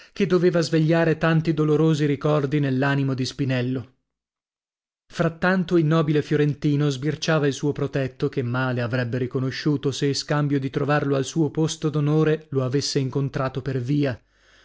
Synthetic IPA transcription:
ked̪ːoveːvazveʎːaːɾet̪ant̪id̪oloɾoːziɾikɔrd̪inelːaːnimod̪ispinɛlːo | fɾat̪ːant̪oilnɔːbilefjoɾent̪iːnozbirt͡ʃaːvailsuːopɾot̪ɛt̪ːokemːaːleavɾɛbːeɾikonoʃːuːt̪oseiskambjod̪it̪ɾovarloalsuːopost̪od̪onoːɾeloavesːeiŋkont̪ɾaːt̪operviːa

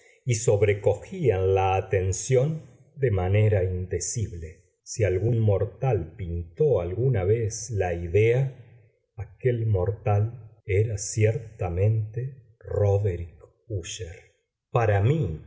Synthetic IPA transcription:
iso̞βɾe̞ko̞xianlaːt̪e̞nsjo̞n | d̪e̞mane̞ɾaind̪e̞siβle | sialɣunmo̞ɾt̪alpint̪oalɣunaβeslaiðea | ake̞lmo̞ɾt̪aleɾasjeɾt̪amẽ̞nt̪e | roβeɾik | uʃeɾ | paɾami

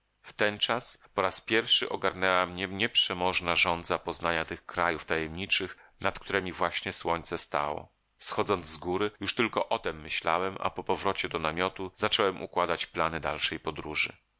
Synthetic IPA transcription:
ft̪ɛnt͡ʂaspɔɾaspʲjɛɾfʂɘʔɔɡaɾnɛwamɲɛmɲɛpʂɛmɔʐnaʐɔnd̪zapɔznaɲat̪ɘxkɾajuft̪ajɛmɲit͡ʂɘxnat̪kt̪uɾɛmʲivwaɕɲɛswɔɲʲt̪sɛst̪a̰wɔ̰ | sxɔd̪zɔnd̪zzɡuɾɘjuʂt̪ɘlkɔʔɔt̪ɛmːɘɕla̰wɛmʔa̰pɔpɔvɾɔt͡ɕɛd̪ɔnamʲjɔt̪uzat͡ʂɔwɛmʔṵkwad̪at͡ɕplanɘd̪alʂɛjpɔd̪ɾuʐɘ̰

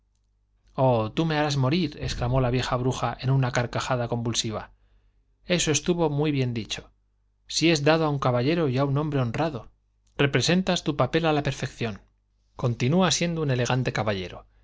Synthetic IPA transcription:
o̞t̪ume̞aɾazmo̞ɾiɾe̞ksklamo̞laβje̞xaβ̞ɾuxaʔe̞nunakaɾkaxaðako̞mbulsiβ̞a̰ | e̞soe̞st̪uβo̞mwiβje̞nd̪it͡ʃo̞̥ | sie̞zd̪að̞oauŋkaβaʎe̞ɾo̞iaunombɾe̞o̞nraðo̞ | re̞pɾe̞se̞nt̪ast̪upape̞lalape̞ɾfe̞kθjo̞n | ko̞nt̪inuasje̞nd̪oune̞le̞ɣant̪e̞kaβaʎe̞̰ɾo̞̰

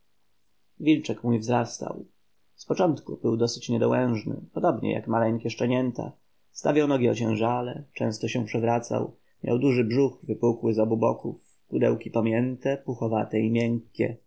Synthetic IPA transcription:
vʲilt͡ʂɛkmujvzɾast̪a̰w | spɔt͡ʂɔnt̪kubɘwd̪ɔsɘ̥t͡ɕɲɛd̪ɔwɛ̃w̃ʐnɘ̰pɔd̪ɔbɲɛ̰ja̰kmalɛŋkʲɛʂt͡ʂɛɲɛnt̪a̰ | st̪a̰vʲjawnɔɡʲiɔt͡ɕɛ̃w̃ʐalɛt͡ʂɛ̰̃w̃st̪ɔɕɛ̃pʂɛvɾat̪sa̰w | mʲja̰wd̪uʐɘbʐuxvɘpukwɘzɔbubɔ̰kuf | kud̪ɛ̰wkʲipɔmʲjɛnt̪ɛpuxɔvat̪ɛimʲjɛŋkʲːɛ̰

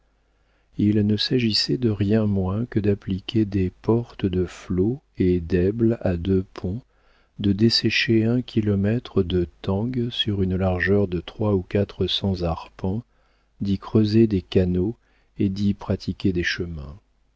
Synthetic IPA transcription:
ilnəsaʒisɛd̪əʁjɛ̃mwɛ̃kəd̪aplikʲʰed̪epɔʁt̪əd̪əflo | ed̪ɛblad̪øpʰɔ̃ | d̪əd̪esɛʃeɛ̃kʲʰilɔmɛt̪χəd̪ət̪ɑ̃ɡsyʁynlaʁʒœʁd̪ət̪χwaukat̪χəsɑ̃zaʁpɑ̃ | d̪ikχøzed̪ekano | ed̪ipχat̪ʰikʲed̪eʃəmɛ̰̃

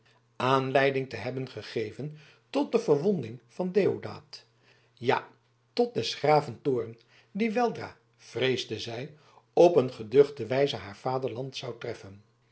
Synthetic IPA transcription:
aːnlɛjdɪŋtəɦɛbənχəχejvən | tɔt̚dəvəɹʋɔndɪŋv̥ɑndeːoda̰ːt | ja̰ | tɔt̚dɛsχraːvəntʊːrən | diʋɛlˠdra̰ː | v̥rejzdəzɛj | ɔpənχədøχdəʋɛjzəɦaːɹv̥aːdəɹlɑntsɑwtrɛfən

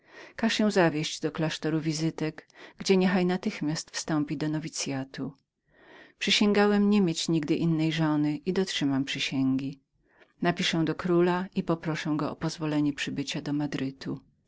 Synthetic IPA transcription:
kaʂɕɛ̃w̃zavʲjeʑd͡ʑd̪ɔklaʂt̪ɔɾuvʲizɘt̪ɛɡɡd͡ʑɛɲɛxajnat̪ɘxmʲjast̪fst̪ɔmpʲid̪ɔnɔvʲit̪sʲjat̪u | pʂɘɕɛŋɡawɛmɲɛmʲjet͡ɕɲiɡd̪ɘʔinːɛjʐɔnɘʔid̪ɔtʂɘmampʂɘɕɛŋɡʲi | napʲiʂɛ̃d̪ɔkɾulaʔipɔpɾɔʂɛɡɔɔpɔzvɔlɛɲɛpʂɘbɘt͡ɕad̪ɔmad̪ɾɘt̪ʰu

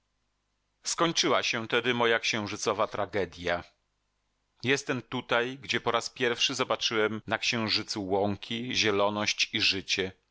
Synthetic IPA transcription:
skɔɲt͡ʂɘwaɕɛt̪ɛd̪ɘmɔjakɕɛ̃w̃ʐɘt̪sɔvat̪ɾaɡɛd̪ʲja | jɛst̪ɛmt̪ut̪ajɡd͡ʑɛpɔɾaspʲjɛɾfʂɘzɔbat͡ʂɘwɛmnakɕɛ̃w̃ʐɘt̪suwɔŋkʲʰiʑɛlɔnɔɕt͡ɕiʐɘt͡ɕɛ

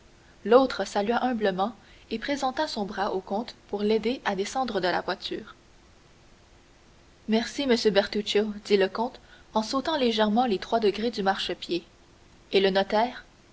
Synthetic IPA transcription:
lot̪χəsalyɥaʔœ̃bləmɑ̃ | epχezɑ̃t̪asɔ̃bʁaʔokɔ̃t̪puʁled̪eʔad̪esɑ̃d̪ʁəd̪əla̰vwat̪yːʁ | mɛʁsiməsjøbɛʁt̪ut͡ʃod̪iləkɔ̃t̪ɑ̃sot̪ɑ̃leʒɛʁmɑ̃let̪χwad̪əɡʁed̪ymaʁʃəpjeː | lənɔt̪ɛːʁ

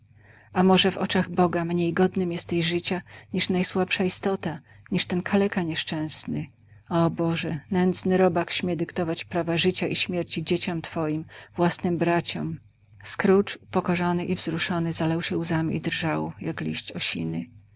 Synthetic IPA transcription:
amɔʐɛvɔ̰t͡ʂaɣbɔɡamɲejɡɔd̪nɘmjɛst̪ɛʑʐɘt͡ɕaɲiʂnajswapʂaist̪ɔt̪a | ɲiʂt̪ɛnkʰalɛkaɲɛʂt͡ʂɛ̃w̃snɘ | ɔbɔʐɛnɛnd̪znɘɾɔbakɕmʲjɛd̪ɘkt̪ɔvat͡ɕpɾavaʐɘt͡ɕaʔiɕmʲjɛɾt͡ɕid͡ʑet͡ɕɔmt̪fɔjimvwasnɘmbɾat͡ɕɔm | skɾut͡ʂupɔkɔʐɔnɘʔivzɾuʂɔnɘzalɛwɕɛuzamḭd̪ɾʐawjaklʲḭɕt͡ɕɔ̰ɕḭnɘ

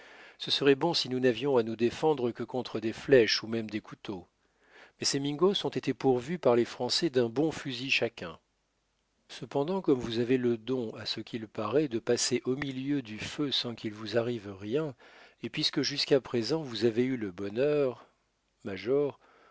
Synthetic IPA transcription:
səsəʁɛbɔ̃sinunavjɔ̃anud̪efɑ̃d̪ʁəkəkɔ̃t̪χəd̪eflɛʃumɛmd̪ekʰut̪o | mɛsemiŋɡosɔ̃t̪et̪epuʁvypaʁlefχɑ̃sɛd̪ɛ̃bɔ̃fyziʃakʲɛ̃ | səpɑ̃d̪ɑ̃kɔmvuzaveləd̪ɔ̃asəkʲilpaʁɛd̪əpaseʔomiljød̪yføsɑ̃kilvuzaʁivʁjɛ̃epɥiskəʒyskapχezɑ̃vuzaveyləbɔnœʁ | maʒɔʁ

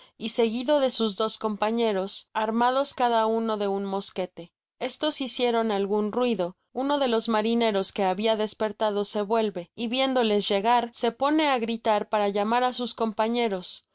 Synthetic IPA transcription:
ise̞ɣiðo̞ðe̞suzðo̞sko̞mpaɲe̞ɾo̞saɾmað̞o̞skaðauno̞ðe̞unmo̞ske̞t̪e̞ | e̞st̪o̞sisjeɾo̞nalɣunrwiðo̞ | uno̞ðe̞lo̞zmaɾine̞ɾo̞ske̞aβiaðe̞spe̞ɾt̪aðo̞se̞βwe̞lβe̞iβje̞nd̪o̞le̞zʝe̞ɣaɾse̞po̞ne̞aɣɾit̪aɾpaɾaʝamaɾasusko̞mpaɲe̞ɾo̞s

